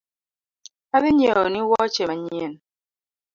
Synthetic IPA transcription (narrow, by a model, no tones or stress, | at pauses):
abiɲeɔniwɔt͡ʃemaɲen